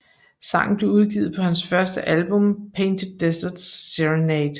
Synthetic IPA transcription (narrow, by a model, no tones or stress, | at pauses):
sɑ̈ŋ̰n̩b̥le̝uð̞ˠɡ̥ḭːð̩ˠpʰɒ̽hænsfɶɐsd̥əʔælb̥ɔ̽mpʰeɪnd̥ədesɐd̥sːiʁneɪd̥